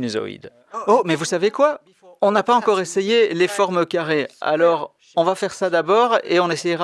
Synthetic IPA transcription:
nezɔ̰ḭd̪ | omɛvusavekwa | ɔ̃napaɑ̃kɔʁesejelefɔʁmkaʁea̰lɔʁ | ɔ̃vafɛʁsad̪abɔːʁeɔ̃nesɛjʁa

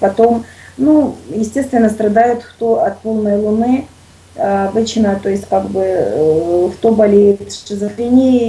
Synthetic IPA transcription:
pɐt̪o̞mnujɪsʲtʲe̞st̪vʲɪnːəst̪ɾɐd̪ajʊt̪xt̪oɐt̪̚po̞lˠnəjlˠʊnɨ | ɐbɨt͡ɕnət̪o̞jɪsʲtʲkaɡbɨ | ft̪obɐlʲejɪt̪ʂɨzəfɾʲɪnʲe

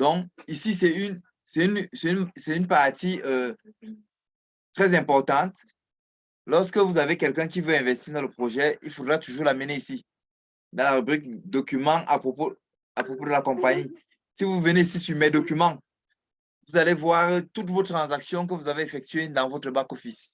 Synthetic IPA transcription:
d̪ɔ̃kisis̬ɛyn | sɛynsɛynsɛtynpaʁt̪iø | t̪χɛzɛ̃pɔʁt̪ɑ̃t̪ | lɔʁskəvuzavekɛlkɛ̃k̬ivøɛ̃vɛst̪iːʁd̪ɑ̃ləpχoʒɛḭlfod̪ʁat̪uʒuːʁlaməneisi | d̪ɑ̃laʁybʁik̚d̪okymɑ̃ʔa̰pχopo | apχopod̪əlakɔ̃paɲi | sivuvəneisisyʁmɛd̪okymɑ̃ | vuzalevwaʁt̪ut̪vot̪χɑ̃zaksjɔ̃k̬əvuzaveefɛk̚t̪ɥed̪ɑ̃vot̪χəbakofis

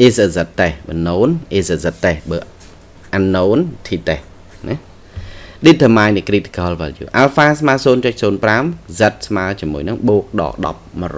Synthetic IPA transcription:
ʔesəzət̪ːehɓənoːnʔeːsəzət̪ːehɓəː | ʔanːoːnt̪ʰiːt̪eh | nɛ | ɗit̪ʰːəmaːjnɨkrit̪i̥kɑːlʋa̰ljṵːʔalfaːsmaəsoːnt͡ɕəc̚soːnpramzət̪̚smaət͡ɕiəmuəjnɨŋɓoːk̚ɗɑ̰ːɗɑ̰p̚mər

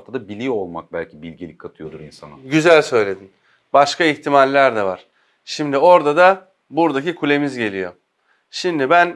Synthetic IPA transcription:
t̪ʰad̪abilʲio̞lˠma̰k̚bælʲcʰibilʲɟilʲikʰːat̪ʰɯjo̞d̪uɾinsanaɟyzælʲsø̞jlʲe̞d̪in | baʃkaiçt̪ʰimalʲːæɾd̪ɛva̰ɾ̥ | ʃimd̪io̞ɾd̪ad̪a | buɾd̪acikʰulʲe̞mizɟe̞lʲijo | ʃimd̪ibæn

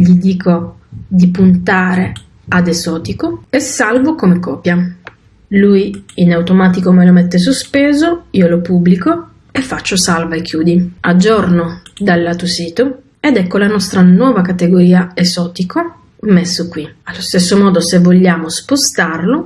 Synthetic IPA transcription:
ʎid̪iːkʰo | d̪ipunt̪aːɾe | ad̪ezɔːt̪ikoesːalvokomekɔːpja | lujinawt̪omaːt̪ikomelomet̪ːes̬ospeːzoiːolopubːliko | efːat͡ʃːosalvaekʰːjuːd̪iad͡ʒːɔrnod̪alːat̪usiːt̪o | ed̪ɛkːolanɔst̪ɾanwɔːvakat̪eɡoɾiːaezɔːt̪iko | mesːokːwialːost̪esːomɔːd̪osevoʎːaːmospost̪arlo

